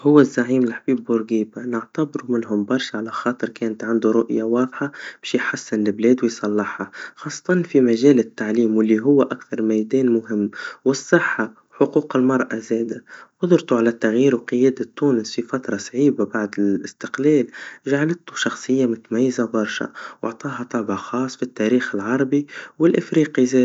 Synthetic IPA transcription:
hʊwːɪzːaʕiːmɪlħbiːbwʊɾɡiːbanɪʕt̪abɾumɪnɦʊmbɑɾˤʃaʕalaxɑːt̪ˤɨɾkɛːnt̪ʕand̪uɾʊʔjawɑːðˤħab̥æːʃjħasːɪnlɪblɛːd̪wɪjsˤɑlːɑħhaxɑːsˤːɑ̥t̪ˤɑnfimaʒɛːlɪt̪ːaʕliːmwɪlːiɦʊwːʔakθɑɾˤmajd̪ɛːnmʊɦɪmːwɪsˤːɨħːawħʊquːqɪlmɑɾˤʔazɛːd̪awʊd̪ˤʊɾt̪uʕalat̪ːaɣjiːɾwqɨjɛːd̪at̪ːuːnɪsfifat̪ɾˤɑsˤʕiːbabaʕd̪ɪlʔɪst̪ɪqlɛːlʒaʕalɪt̪ːuʃɑxsˤɨjːamʊt̪mæjːɪzabɑɾˤʃa̰wʔɑ̰ʕt̪ˤɑːɦɑt̪ˤɑʕbɑxɑːsˤfit̪ːaɾiːxɪlʕɑɾˤɑbiwɪlʔɪfɾiːqizɛː

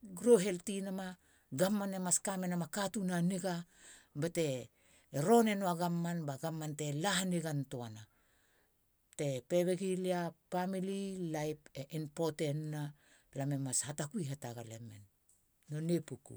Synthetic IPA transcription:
ɡɾoɦe̞ltinama | ɡamːanemaskamenamakatunaneɡabate̞ | ɾo̞ne̞noaɡamːanbaɡamːante̞laɦaneɡantoana | te̞pe̞βeɡiliapamililajpeʔinpo̞tenːa | lame̞mashatakuiɦataɡalemḛnː | onepukṵ

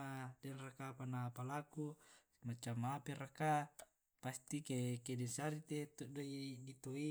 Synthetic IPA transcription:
adɛnrakapanapalaku | mat͡ʃamːapeɾaka | past̪ikekedɛnsaɾit̪et̪odoidit̪oi

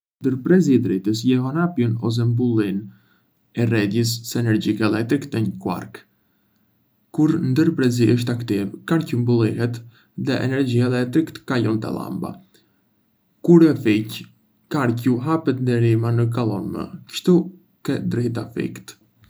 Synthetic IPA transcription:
nd̪əɾpɾɛziɛd̪ɾit̪əs̬jɛɦɔnapjunɔs̬ɛmbulˠin | ɛrɛd̪jəs̬ːɛnɛɾd͡ʒikaɛlˠɛk̚t̪ɾikt̪əɲəkwa̰ɾk | kuɾnd̪əɾpɾɛziʔəʃ̬t̪akt̪ivkaɾcumbulˠiɦɛt̪ | ðɛʔɛ̰nɛɾd͡ʒiɛlɛk̚t̪ɾikt̪kajɔnt̪a̰lˠa̰mba̰ | kuɾɛfic | kaɾcuɦapɛt̪nd̪ɛɾimanək̬alˠɔ̰nmə̰kʃt̪u | kɛd̪ɾit̪̬afḭkt̪

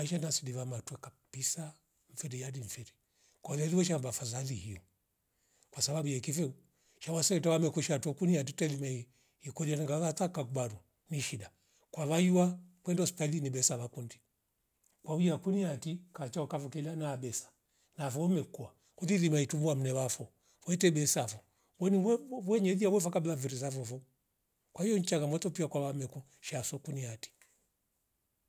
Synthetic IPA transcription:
aiʃanasidivamatwɛkab̥isa | ɱ̩fɛɾijadiɱ̩fɛɾi | kalaliwɛʃambafazalihiɔ | kwasababujakifɛu | ʃawasɛtawamɛkuʃatuɔkuniat̬itɛlimai | ikɔlianaŋɡazatakakubaɾu | niʃida | kwaβajiwakwɛndɔspalinibɛsaβakundi | kwauiakuniatikat͡ʃaɔkafɔkɛlanaɓɛsḁ | nafɔɔmɛkua | kundilimaitumuam̩nɛβafɔ | wɛtɛɓɛsafɔ | wɛniwɛɲɛðiawɛfakablaviɾis̬afɔvɔ | kwahijɔɲt͡ʃaɣamɔtɔpiakwaβamɛkɔ | ʃasɔkuniati̥

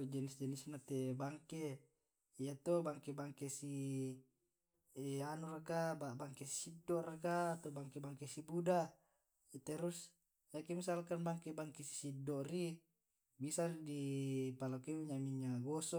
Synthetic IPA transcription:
d͡ʒɛnisd͡ʒɛnisnat̪ebaŋke | ijat̪obaŋkebaŋkesi | anuɾakababaŋkesi̥sidːɔʔrakaːt̪obaŋkebaŋkesibuda | it̪eɾus | jakemisalkanbaŋkebaŋkesi̥sidːoʔri | bisadipalakemuɲamiɲaɡosɔ

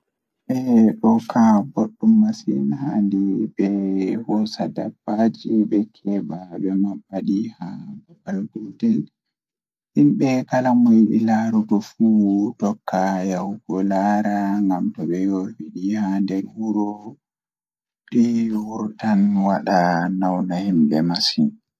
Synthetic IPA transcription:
ʔɛɗɔkʰaboɗːumːasḭnhandibɛhɔsada̰bad͡ʒiɓɛkʰɛbabɛmabaɗihaɛbalɡudɛl | himɓɛkalamɔjiɗḭlaɾɔtɔfutɔkːajahukɔlaɾaŋɡamtɔɓɛjowiɗihandɛɾwuɾɔ | ɗiwuɾtanwaɗanawnahimbɛmasin

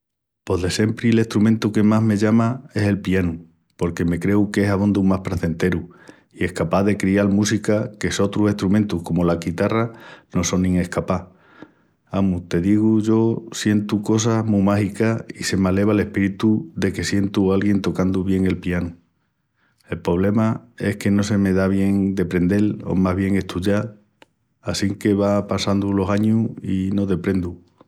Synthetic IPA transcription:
po̞ɦðe̞se̞mpɾiele̞ht̪ɾumẽnt̪uke̞maɦme̞ʝamae̞se̞lpianu | po̞ɾke̞me̞kɾe̞uke̞saβõnd̪uŋmahpɾaθe̞nt̪e̞ɾu | ie̞hkapaðe̞kɾialmusikake̞so̞t̪ɾuse̞ht̪ɾumẽnt̪uhko̞molaɣit̪arano̞so̞nːĩŋe̞hkapa | amut̪e̞ðiɣ̞uʝo̞sje̞nt̪uko̞s̬amũmahikaise̞male̞β̞ale̞hpiɾit̪uðe̞ke̞sje̞nt̪ualɣje̞nt̪o̞kand̪uβje̞ŋe̞lpianu | e̞lpɾo̞β̞le̞mae̞̰hke̞no̞se̞me̞ðaβje̞ŋd̪e̞pɾe̞nd̪e̞lo̰maɦβ̞je̞ŋe̞ht̪uʝa | asiŋke̞βapasand̪ulo̞saɲuino̞ðe̞pɾe̞nd̪u

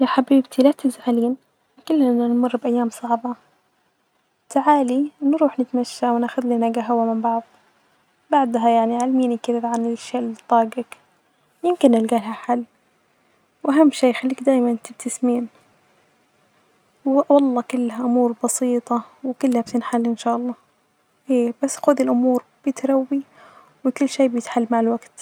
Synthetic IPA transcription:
jaħabiːbt̪ʰilat̪ɪzʕaliːn | kʊlːaɪnanmʊrˤːbʔajːaːmsˤɑʕbɑ | t̪aʕaːlinɾuːħnɪt̪maʃːawnaːxʊd̪linaɡaɦawamɪmbɑʕðˤ | baʕd̪ɦajaʕniʕalmiːnikɪðʕanɪʃːaʔlt̪ˤːɑːɡɪk | jɪmkɪnːɪlɡaːlɦaħalː | wʔaɦamːʃeːjxalːiːkd̪aːjmant̪ɪb̚t̪ʰɪsmiːn | wwɑlˤːɑːkʊlːhaʔʊmuːɾbɑsiːt̪ˤɑwɪkʊlːhab̚t̪ɪnħalːʔɪnʃaːʔɑlˤːɑː | ʔeːbasːxuːd̪ilʔʊmuːɾb̥ɪt̪ɾawːi | wɪkʊlːʃeːbjɪt̪ħalːmaʕalwaɡt̪

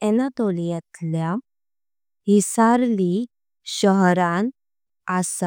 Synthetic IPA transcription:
ɛnat̪olijɛt̪ʰlja | ɦisaɾli | ɕəɦɾãn | asa

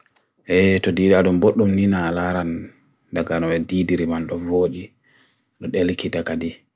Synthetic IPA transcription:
ʔɛtɔdiːdiaɗumboɗːumninalaɾan | daɡanɔɓɛdidiɾimanɗɔvoːɗi | ɗɔɗelkitakadi

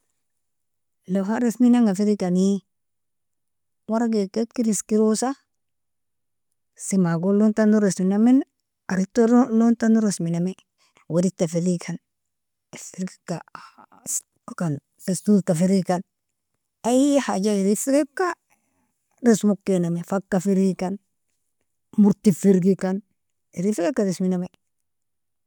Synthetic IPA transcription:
lefaɾesminaŋɡafiɾikani | waɾaɡekekiɾiskiɾosa | simaɡolontanuɾesminamen | aɾitːolontanuɾesminame | waɾitːafeɾikʰan | ifiɾɡi̥ka | kan | festultafiɾikan | ajhad͡ʒaiɾifiɾekːa | ɾesmokːenamefakːafiɾikan | muɾtifiɾɡikan | iɾifiɾekːaɾesminame

